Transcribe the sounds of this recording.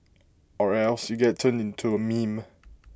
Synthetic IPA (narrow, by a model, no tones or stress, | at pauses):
ɔɹɛlsjuɡɛtʰːə̃nɪ̃ntʰuəmĩm